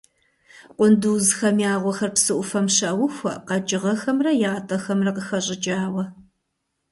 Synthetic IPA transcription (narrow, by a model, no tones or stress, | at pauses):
qʷʼʊnduːzxɐmjaːʁʷɔxɐrpsɨʔʷʊfɐmɕɐwʊxʷɐ̰qɐd͡ʒɪʁɐxɐmrɐjaːtʼɐxɐmrɐqəxɐɕʼɪd͡ʒaːwɐ